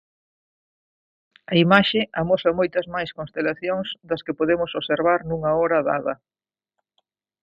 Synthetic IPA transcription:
ɐimaʃɪamosɐmojt̪ɐzmajskõnst̪elaθjoŋsd̪ɐskɪpoðemʊsoseɾβaɾnuŋɐɔɾɐða̰ðɐ̰

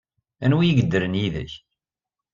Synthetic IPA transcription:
ænwijəɡəd̪ːəɾənjiðə̰ç

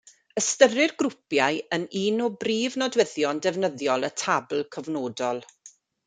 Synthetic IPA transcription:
əstərɪrɡrʊpjajəniːnɔbriːvnɔdwɛðjɔndɛvnəðjɔlˠətʰabl̩ˠkʰəvnoːdɔlˠ

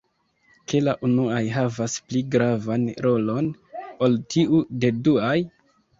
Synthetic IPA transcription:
ke̞laʔunuajɦavaspliɡɾavanɾo̞lo̞no̞ltʰiude̞duaj

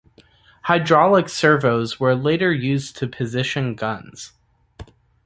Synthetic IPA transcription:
haɪdɹɑlˠəksɜ˞voʊzwə˞leɪɾə˞jʉztʰɨpʰɨzɪʃɨ̃nɡʌ̃nz̥

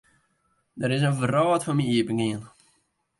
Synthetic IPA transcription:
dəɾɪs̬ənvərɔːtfɔnmiiəbəŋɡɪən

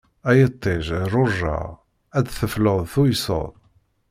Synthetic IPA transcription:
æjət̪ˤːɪʒrˤʊʒːa̰ | æd̪θəfləðˤθujso̰ðˤ

